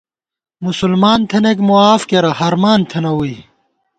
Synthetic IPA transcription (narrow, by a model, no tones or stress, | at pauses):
musulmaːnt̪ʰenek̬muaːfkeɾɐhɐɾmaːnt̪ʰenɐwui